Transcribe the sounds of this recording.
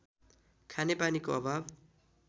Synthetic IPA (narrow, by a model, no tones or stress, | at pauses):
kʰanepanikoʌbʱab